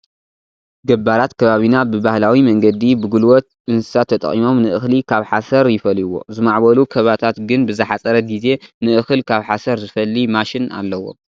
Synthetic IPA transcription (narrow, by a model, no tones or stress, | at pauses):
ɡɐbaɾat̪kʰɐβaβinabɨbahlawimɐŋɡɐd̪ibɨɡulwɔt̪̚ | ɨnsɨ̥sat̪ʰɐt̪ʼɐ̰χʼimo̞mnɨʔɨxlikʰaβħasɐɾjɪfɐlwo̞̰zɨmaʕbɐlukʰɐβat̪ʰat̪ɡɨnbɨzɐħat͡sʼɐɾɐɡize̞nɨʔɨxɨlkʰaβħasɐɾzɨfɐlːimaʃɪna̰lːɐwo̞̰